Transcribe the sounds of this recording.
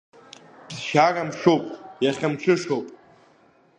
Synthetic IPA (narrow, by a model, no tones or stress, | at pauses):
bzʃaramʂowpʼjaχʲamt͡ʃʷʰɨʂowpʼ